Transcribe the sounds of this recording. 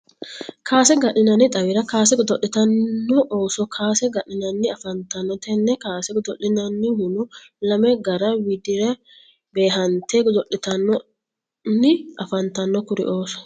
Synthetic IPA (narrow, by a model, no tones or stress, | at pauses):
kʰaːsɛɡɐɗɪnɐnːɪt̪ʼɐwɪɾɐkaːsɛɡɔd̪ɔʔːɪt̪ɐnːɔʔoːsɔkʰaːsɛɡɐʔɪnɐnːɪɐfɐnt̪ɐnːɔt̪ɛnːɛkaːsɛɡʊd̪ɔʔɪnɐnːɪhʊnʊ | lɐmɛɡɐɾɐwɪd̪ɪɾɛ | be̞ːɦɐnt̪eɡʊd̪ɔʔɪt̪ɐnːɔ | nɪʔɐfɐnt̪ɐnːɔkʊɾɪ̰ʔoːsɔ̥